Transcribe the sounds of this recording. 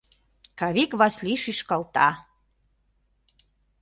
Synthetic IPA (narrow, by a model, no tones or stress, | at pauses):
kɑβikβɑsliʃiʃkɑlt̪ɑ